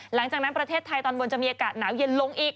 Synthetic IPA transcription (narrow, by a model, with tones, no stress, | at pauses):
la˩˦ŋt͡ɕaː˨˩k̚na˦npɾa˧t̪ʰeː˥˩t̪ʰːa˧jt̪ɔː˧nbo˧nt͡ɕa˨˩miː˧ʔaː˧kaː˨˩t̪̚naː˩˦wji˧ənlo˧ŋʔiː˨˩k̚